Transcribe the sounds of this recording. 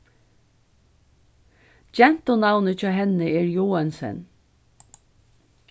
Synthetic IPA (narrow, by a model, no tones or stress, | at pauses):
d͡ʒɛn̥t̪ɔnawnət͡ʃɔːɦɛnəɛːɹjuːansɛ̰n